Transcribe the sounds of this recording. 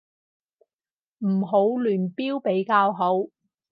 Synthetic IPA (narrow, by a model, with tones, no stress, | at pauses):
m̩˨˩ɦo˨˥wlyː˨˩npiː˥wpe˨˥jkaː˧wɦo˨˥w